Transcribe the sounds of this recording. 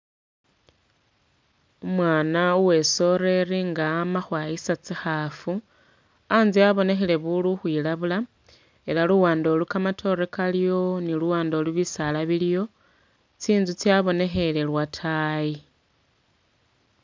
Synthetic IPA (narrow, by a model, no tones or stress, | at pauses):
umwaːnauwe̞so̞ɾe̞riŋɡaːmaxwaːjisat͡sixafu | aːnziaβo̞ne̞xele̞βuluxwiːlaβula | e̞laluwaːndo̞lukamatʰo̞ɾekaljo̞niluwaːndo̞luβisalaβiljo̞ | t͡siːnzut͡siaβo̞ne̞xe̞le̞lwatʰai